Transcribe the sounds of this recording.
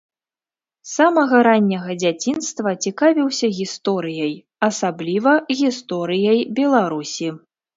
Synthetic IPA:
samɐɣɐɾanʲːɐɣɐd͡zʲat͡sʲinst̪vɐt͡sʲikavʲiwsʲɐɣʲist̪ɔɾɨjɐj | ɐsablʲivɐɣʲist̪ɔɾɨjɐjbʲɛlˠaɾusʲi

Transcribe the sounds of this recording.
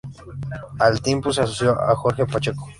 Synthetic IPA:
alt̪impus̬eas̬osjoʔa̰xoɾxepat͡ʃeko̥

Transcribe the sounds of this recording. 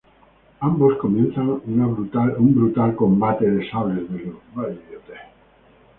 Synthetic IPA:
ambo̞sko̞mjenθanunaβɾut̪aumbɾut̪alko̞mbat̪eðesawɾezðezouβaliot̪e

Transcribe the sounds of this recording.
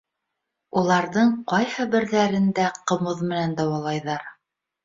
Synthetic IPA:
ulˠɑɾðɤɴqɑjhɤbɘ̆ɾðæɾɘ̆nd̪æqɤ̆moðmɘ̆nænd̪ɑwɑlˠɑjðɑɾ

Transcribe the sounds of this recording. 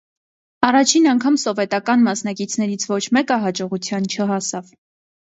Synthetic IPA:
ɑrɑt͡ʃʰinɑŋkʰɑmsɔvɛt̪ɑkɑnmɑsnɑkit͡sʰnɛɾit͡sʰvɔt͡ʃʰmɛkəɦɑd͡ʒɔʁut͡sʰjɑnt͡ʃʰəɦɑsɑv

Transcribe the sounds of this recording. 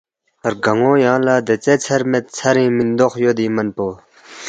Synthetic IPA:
rɡaŋojaŋlaɦd̪ət͡sat͡sʰarmet̪̚t͡sʰaɾiŋminnd̪oχjod̪imənpo

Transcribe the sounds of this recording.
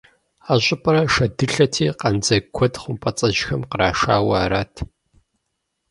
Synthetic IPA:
aːɕʼɪpʼɐɾɐʂɐdɨɬɐtʰiːqɐnd͡zɐkʷʰɔtχʷʊmpʼɐt͡sʼɐʒxɐmqəɾaːʂa̰ːwaːɾaːtʰ

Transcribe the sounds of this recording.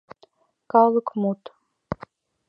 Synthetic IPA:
kʼalɨkʰʷʼmut̪ʼ

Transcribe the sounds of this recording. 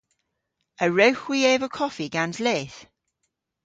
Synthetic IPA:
əɹəwxwieːvəkʰɔfiɡ̥anzleːθ

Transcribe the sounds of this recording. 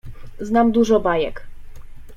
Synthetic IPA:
znamd̪uʐɔbajɛk

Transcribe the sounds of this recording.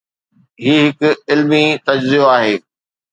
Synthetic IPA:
ɦiːɦɪkʊɪlmit̪ɐd͡ʑzijoaːɦeː

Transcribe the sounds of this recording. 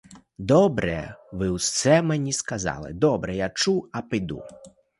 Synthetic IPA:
d̪ɔbɾɛ̰ʋɪwssɛmenʲiskɐzɑ̰lˠɪ̰d̪ɔbɾɛjat͡ʃuɐpɪd̪ṵ

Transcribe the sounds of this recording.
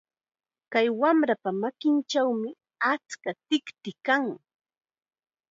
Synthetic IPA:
kajwamɾapamakɪnt͡ʃawmɪ | at͡skat̪ɪkt̪ɪkaŋ

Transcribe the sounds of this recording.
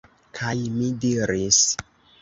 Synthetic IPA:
kʰajmidiɾis

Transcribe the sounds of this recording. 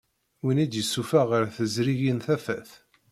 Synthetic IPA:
winid̪jəsːufæʁəɾθəzɾiʝinθæfæθ

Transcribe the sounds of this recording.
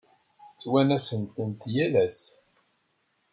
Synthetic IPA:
t͡sːwænæsənt̪ənt̪jælæs

